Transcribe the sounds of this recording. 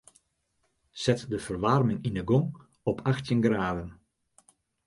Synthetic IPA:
sɛtdəfərʋarmɪŋinəɡɔŋ | ɔpʰaxtjənɡraːdən

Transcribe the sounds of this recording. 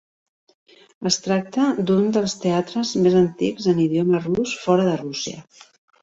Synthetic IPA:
əst̪ɾak̚t̪əd̪und̪əlˠst̪eat̪ɾəzmezənt̪ikzəniðiomərusfɔɾəðərusiə̰

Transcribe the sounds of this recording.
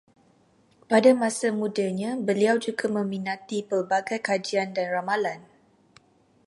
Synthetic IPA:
padamãsamudaɲãbəliawd͡ʒuɡamə̃minãt̪ipərbaɡajkad͡ʒiandanramalan

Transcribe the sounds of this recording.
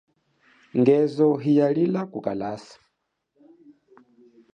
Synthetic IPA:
ŋɡɛzɔɦijalilakuka̰lasḁ

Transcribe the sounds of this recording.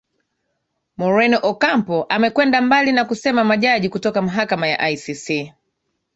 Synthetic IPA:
mɔɹɛnɔʔɔkampɔʔamɛkwɛndambalinakusɛmamaʄaʄikutɔkamaɦakamaja̰ʔajsisi

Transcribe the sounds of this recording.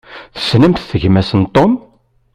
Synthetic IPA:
θə̥snəmθθəʝmæsənt̪ˤom

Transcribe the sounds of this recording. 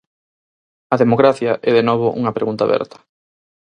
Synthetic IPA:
ɐðemokɾaθjɐʔɛðenɔβ̞ʊʔṵŋɐpɾeɣunt̪a̰βɛ̰ɾt̪ɐ̥

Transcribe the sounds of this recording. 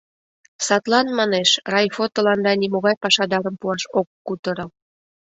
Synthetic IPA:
sɑt̪lɑnmɑneʃrɑjfot̪olɑnd̪ɑnimoɣɑjpɑʃɑd̪ɑɾəmpuɑʃokːut̪əɾɤ̆l

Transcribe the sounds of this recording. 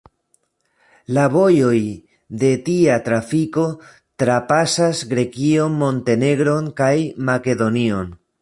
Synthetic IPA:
laβo̞jo̞j | de̞tiatɾafiko̞ | tɾapasasɡɾe̞kio̞nmo̞nte̞ne̞ɡɾo̞nkajmake̞do̞nio̞n

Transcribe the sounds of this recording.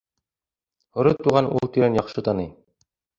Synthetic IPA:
hŏɾɤt̪uʁɑnʔṵlˠt̪iɾænjɑqʃɤt̪ɑnɤj

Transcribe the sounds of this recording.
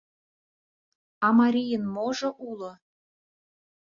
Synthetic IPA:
ɑmɑɾʲijənmoʒoʔulo

